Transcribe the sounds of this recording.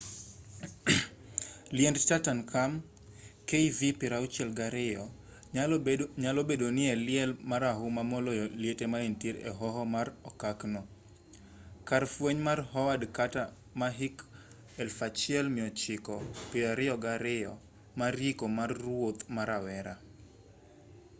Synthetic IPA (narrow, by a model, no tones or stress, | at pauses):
liɛndtatankʰam | keivipɪɾaut͡ʃɛlɡaɾɪjɔ | ɲalɔbedonɪɛlɪɛlmaɾaɦumamɔlɔjɔljetemaintiɾɛ̰ɦɔɦɔmarɔkaknɔ | kaɾfweɲmarɦɔwadkata | maɦɪk | ɛlfat͡ʃiɛlmɪɔt͡ʃɪkɔpɪɾaɾɪɔɡaɾɪɔ | marikomarːwot̪maɾawɛɾa